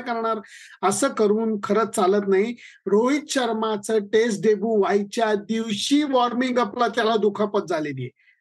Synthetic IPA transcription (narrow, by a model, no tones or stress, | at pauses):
kəɾɳaɾ | əsəːkəɾuːnkʰəɾət̪̚t͡salət̪naɦi | ɾoit̪̚ɕəɾmat͡səʈes̬ʈɖebuːʋajt͡ɕjad̪iwɕiʋɔɾmiŋɡaplat̪jalad̪ukʰapət̪̚d͡zalelije